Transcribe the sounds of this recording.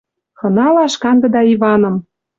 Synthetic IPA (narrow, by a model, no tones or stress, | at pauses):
xɤ̆nɑlɑʃkɑnd̪ɤ̆d̪ɑiβɑnɤ̆m